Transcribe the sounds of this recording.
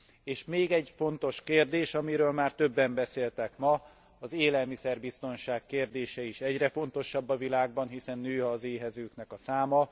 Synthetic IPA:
eːʃmeːɡɛɟfo̞nt̪o̞ʃkeːrd̪eːʃɒmiɾøːlmaːrt̪ø̞bːɛmbɛseːlt̪ɛkmɒ | ɒzeːlɛlmisɛrbist̪o̞nʃaːkːeːrd̪eːʃɛiʃɛɟrɛfo̞n̪t̪o̞ʃːɒbːɒvilaːɡ̚bɒnɦisɛnːøːɒːzeːɦɛzøːknɛkɒsaːmɒ

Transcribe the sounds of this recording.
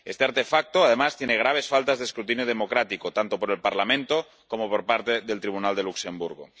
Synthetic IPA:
est̪eaɾt̪efak̚t̪oaðemast̪jeneɣ̞ɾaβ̞e̞sfalt̪azðeskɾut̪injoð̞emokɾat̪ikot̪ant̪opoɾelpaɾlamẽnt̪o | komopoɾpaɾt̪eðelt̪ɾiβ̞unald̪e̞luksembuɾɣ̞o̰

